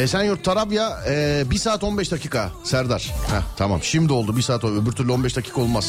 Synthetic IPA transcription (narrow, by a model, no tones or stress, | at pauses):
esænjuɾt̪ʰːaɾavjaɛbiɾsaːt̪o̞nbɛʃd̪acʰiːkʰasæɾd̪aɾ̥hɛt̪ʰamamʃimd̪iolˠd̪ubiɾsaːt̪oøbyɾt̪ʰyɾlʲo̞nbɛʃd̪acʰiːkʰao̞lˠmas